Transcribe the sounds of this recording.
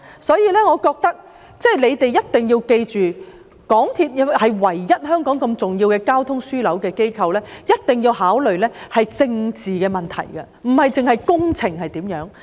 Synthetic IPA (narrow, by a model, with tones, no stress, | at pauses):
sɔː˨˥jiː˨˧lɛː˥ŋɔː˨˧kɔː˧k̚t̪ɐ˥k̚ | t͡sɛː˥˩jle˨˧jt̪e˨jɐ˥t̚t̪ɪ˨ŋji˧wke˧jt͡ʃyː˨ | kɔː˨˥ŋt̪ʰiː˧t̚jɐ˧hɐ˨jwɐ˨˩jːɐ˥t̚hœː˥ŋkɔː˨˥ŋkɐ˧mt͡sʊ˨ŋjiː˧wkɛː˧kaː˥wt̪ʰʊ˥ŋsyː˥lɐ˨˥wkɛː˧ke˥jkʰɐ˧wlɛː˥jɐ˥t̚t̪ɪ˨ŋjiː˧whaː˨˥wlɵ˨ɥlɛː˥hɐ˨jt͡sɪ˧ŋt͡siː˨kɛː˧mɐ˨˩nt̪ʰɐ̰˨˩jɡɐ˧ | m̩˨˩hɐ˨jt͡sɪ˨ŋhɐ˨jkʊ˥ŋt͡sʰɪ˨˩ŋhɐ˨jt̪iː˨˥mjœː˨˥ŋ